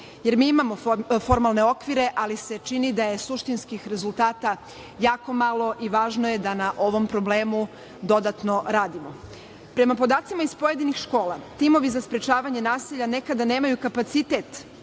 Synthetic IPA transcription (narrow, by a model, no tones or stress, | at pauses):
je̞ɾmiːimamo̞fo̞ɾmalˠneo̞kʋiɾe̞ʔalise̞t͡ʃinid̪aje̞suʃt̪inskixɾe̞zulˠt̪aːt̪a | jaːko̞malo̞ʔiʋaːʒno̞je̞d̪anaʔo̞ʋo̞mpɾo̞ble̞ːmu | d̪o̞d̪at̪no̞ɾaːd̪imo̞ | pɾe̞mapo̞d̪aːt̪simaispo̞je̞d̪inixʃko̞ːlˠat̪imo̞ʋizaspɾe̞t͡ʃaːʋaɲe̞naːsiʎane̞kad̪ane̞ːmajukapat̪sit̪eːt̪